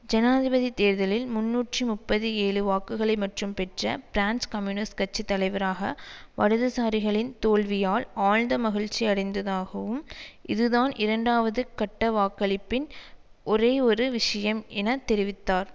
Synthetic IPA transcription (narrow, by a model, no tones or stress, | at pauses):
d͡ʒɐnaːðɪbɐðit̪eːɾðɐlɪlmʊnːuːʈrimʊpːɐðɯeːɻɯʋaːkɯɣɐɭɐɪmɐʈrɯmpɛʈrɐ̰bɾaːnskɐmjuːnɐskɐt͡ʃːit̪ːɐlɐɪʋɐɾaːɣɐ̰ʋɐɻɯðɯsaːɾɪɣɐɭɪnt̪oːɭʋɪjaːlaːlnd̪ɐmɐɣɪɻt͡ʃːiɐɽɪnd̪ɐðaːɣɐʋɯmʔɪðɯðaːnʔɪɾɐɳɖaːʋɐðɯkɐʈːɐʋaːkːɐɭɪpːɪnʔɔɾeːɔɾɯʋɪʂɐjɐmɛnɐt̪ɛɾɪʋɪt̪ːaːɾ